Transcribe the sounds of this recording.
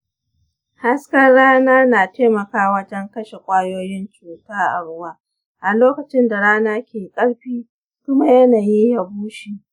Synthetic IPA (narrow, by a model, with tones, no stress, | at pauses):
ha˦skɐ˦rɽaː˦naː˦naː˨teː˦mɐ˨kaː˦wɐ˦d͡ʒɐ˦ŋkɐ˦ʃe˨kʷʼaː˦joː˦jɪ˦nt͡ʃuː˨taː˦ʔa˨ɽʊ˦waː˦ | ʔa˨loː˦kɐ˨t͡ʃɪ˦nda˨ɽaː˦naː˦kʲeː˨kʼɐ˦ɽɸiː˦ | kʷʊ˦ma˦jɐ˦naː˨ji˦ja˨buː˦ʃi˨